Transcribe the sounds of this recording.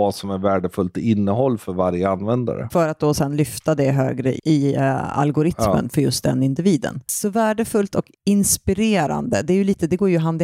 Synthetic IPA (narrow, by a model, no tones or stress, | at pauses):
asɔmæɾvæːɖəfɵlt̪ɪɪnːəɦɔlːfœɾvaɾjəanvɛnd̪a̰ɾə̰fœɾat̪̚d̪oːsɛnlʏft̪ad̪ɛɦø̰ːɡɾə̰ɪa̰lɡʊɾɪmmə̰nfœɾjɵst̪̚d̪ɛ̰nɪnd̪ɪviːd̪ə̰nsɔvæːɖəfɵlt̪ɔk | ɪnspɪɾeːɾa̰nd̪əd̪ɛæɾjɵliːt̪əd̪ɛɡoːɾjɵɦand̪